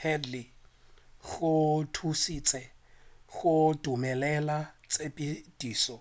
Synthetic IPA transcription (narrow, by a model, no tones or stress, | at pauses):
ɛdli | ɣʊtʰusit͡sʼɛ | ɣʊdumɛlɛlat͡sʼepʼid̥iːsɔ